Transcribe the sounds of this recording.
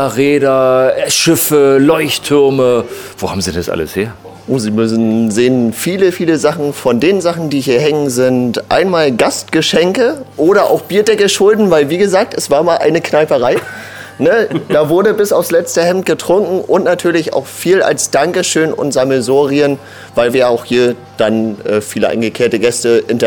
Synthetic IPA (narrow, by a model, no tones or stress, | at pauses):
ʁeːdɐʃɪfəlɔʏçtʰːʏɐməv̥oːha̰ːbmzidɛndasʔa̰lə̰shḛːɐ | ʔoːziːmʏsn̩zeːənfiːləfiːləzaχn̩fɔndeːnənzaχn̩diːhiːɐhɛŋənzɪntʔa̰ɪnmaːlɡastɡ̥əʃɛŋkəʔoːɾɐʔa̰ʊxb̥iːɐdɛkəʃʊldn̩vaɪlviːɡəzaːk̚tɛsv̥aːɐmaːlʔa̰ɪnəknaɪpəʁaɪ | nəd̥aːvʊɐdəbɪsaʊfslɛt͡stəhɛmt̚ɡ̥ətʁ̥ʊŋkŋ̩ʔʊntnatʰyːɐlɪça̰ʊxfiːla̰lsd̥aŋkəʃøːnʊ̰ntz̥aməzoːʁiən | vaɪlviːɐjaʊxhiːɐ | d̥anʔɛːfiːləʔa̰ɪnɡəkʰleːɐtəɡɛstəɪntɐ